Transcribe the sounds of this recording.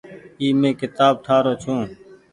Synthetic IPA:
iːmẽːkɪt̪aːb̚ʈʰaːɾoːt͡ʃʰõː

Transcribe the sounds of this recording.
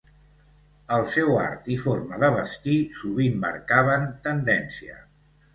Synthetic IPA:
əlˠsɛwa̰ɾt̪ifoɾməðəβəst̪isuβimːə̰ɾkaβ̞ənt̪ənd̪ɛnsiə̰

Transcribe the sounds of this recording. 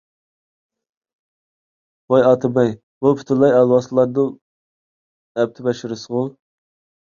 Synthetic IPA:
wojɑt̪ʰɨbɛj | bupʰy̥t̪ʰɪɾlˠɑjɑlˠwɑslˠɑɾd̪ɨ | ɛp̚t̪ʰɪbɛʃɪɾɨsəʁʊ

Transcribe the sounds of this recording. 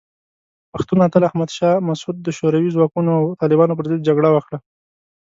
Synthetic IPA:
paxt̪unat̪əlahmad̪ʃɑmasud̪̚ːəʃoɾawizwɑkunoawt̪ɑlɪbɑnop̬əɾzɪd̪̚d͡ʒaɡɽawaxɽa

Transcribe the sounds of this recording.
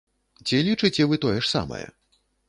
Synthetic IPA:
t͡sʲilʲit͡ʂɨt͡sʲɛvɨt̪ɔjɛʂsa̰mɐ̰jɛ̰

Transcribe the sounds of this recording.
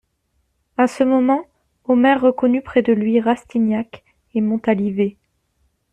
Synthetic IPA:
asəmɔmɑ̃ | ɔmɛʁːəkɔnypχɛd̪əlɥiʁast̪injak | emɔ̃t̪alive

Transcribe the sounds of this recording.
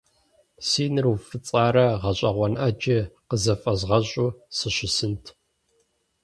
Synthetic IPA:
siːnɨrufɨt͡sʼaːɾɐʁɐɕʼɐʁʷɔnʔɐd͡ʒɪqəzɐfʼɐzʁɐɕʼuːsɨɕɪsɨntʰ

